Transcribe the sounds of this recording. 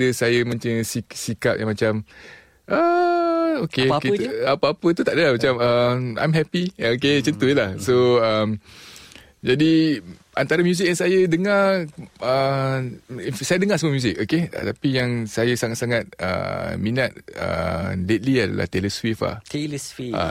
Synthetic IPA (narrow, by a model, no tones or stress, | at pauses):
dəsajəmãntəŋsisika̰p̚jʔãŋmãt͡ʃam | ʔə | okeiapəapət̪ut̪aʔdəlahmat͡ʃaməa̰jmɦɛpioket͡ʃənt̪ojəlahsoəm | d͡ʒadi | ant̪aɾamjuz̬ɪk̚jaŋsajədəŋarə | sajadəŋasəməmjuzɪk̚okeə̰t̪apijaŋsajəsaŋat̪saŋat̪̚ə̰mĩnat̪̚ə̰let̪̚liada̰la̰ht̪eləswifa̰t̪eləswia̰